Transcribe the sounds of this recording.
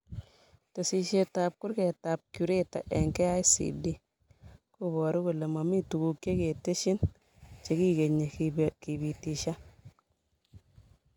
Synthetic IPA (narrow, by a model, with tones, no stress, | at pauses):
te˨si˨ʃe˨ta˨p̚ku˦ɾke˨ta˨p̚ku˨ɾe˦ta̰˨ʔɛ˨ŋkɛ˦a˦jsḭ˨di˦ | ku˦bɔ˨ɾu˦ku˨le˨ma˨mi˦tu˨ku˨kːe˦ke˨te˦ʃi˦n | t͡ʃe˨ki˦ɡe˨ɲːe˨ki˨bi˨ti˨ʃa˦